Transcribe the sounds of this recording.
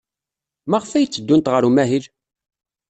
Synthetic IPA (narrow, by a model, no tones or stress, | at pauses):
mæʁfæjt͡sːəd̪ːunt̪ʁəɾumæɦil